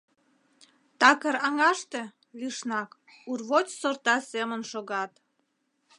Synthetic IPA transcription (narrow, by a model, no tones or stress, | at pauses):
t̪ɑkəɾɑŋɑʃt̪ĕ | liʃnɑk | urβot͡ɕsort̪ɑsemənʃoɣɑt̪